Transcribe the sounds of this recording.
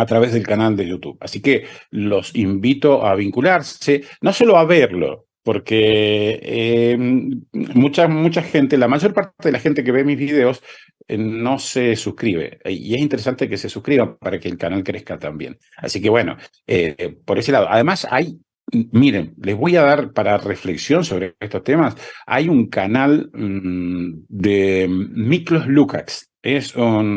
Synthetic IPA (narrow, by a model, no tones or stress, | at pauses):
at̪ɾaβezðe̞lkanald̪ejut̪uβasikelo̞simbit̪o̞ʔaβ̞iŋkulaɾseno̞so̞lo̞aβeɾlo̞̰ | po̞ɾke | e | mut͡ʃamut͡ʃaxent̪elamaʒo̞ɾpaɾtt̪eð̞elaxent̪ek̬e̞βemizβiðeo̞s | no̞sesuhkɾiβḛḭes̬int̪eɾesant̪e̞kese̞suhkɾiβapaɾakeːlkanalkɾehkat̪ambje̞̰n | a̰sike̞βweno̞̰ | epo̞ɾes̬elað̞o̞ʔa̰ðe̞masa̰j | miɾenlezβo̞jaðaɾpaɾarefleksjo̞nso̞βɾeest̪ost̪emasa̰juŋkanal | d̪emiklozluka̰ks | esun